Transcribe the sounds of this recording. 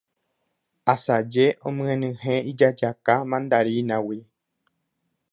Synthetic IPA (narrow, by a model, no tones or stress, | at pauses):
asad͡ʒe̞ʔõmɨ̃ẽnɨ̃hẽid͡ʒad͡ʒakamãnd̪aɾinãwi